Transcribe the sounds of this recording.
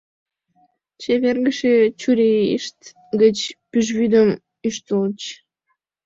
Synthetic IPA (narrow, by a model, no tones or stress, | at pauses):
t͡ɕeβʲerɡəʃet͡ɕuɾʲeiʃt̪ | ɡət͡ɕpyʒβyd̪əm | yʃt̪əlt͡ɕ